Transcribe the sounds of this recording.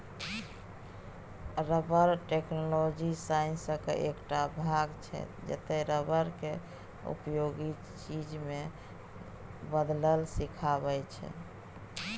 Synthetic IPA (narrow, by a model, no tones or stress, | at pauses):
ɾəbəɾʈeknolod͡ʒisaĩnsəkḛʔekʈabʱaɡt͡ʃʰɛ̰d͡ʒḛt̪ɛɾəbəɾke | ṵpjoɡi | t͡ʃid͡ʒme | bəd̪ləlsikʰabɛt͡ʃʰɛ̰